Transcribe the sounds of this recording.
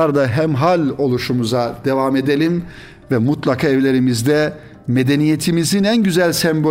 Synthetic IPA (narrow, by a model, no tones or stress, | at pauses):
aɾd̪aɦæmɦalʲo̞lˠuʃumuzad̪evame̞d̪elʲim | vɛmut̪lˠakʰaːɛvlʲe̞ɾimizd̪ɛ | med̪enije̞t̪ʰimizinænɟyzælʲsɛmbo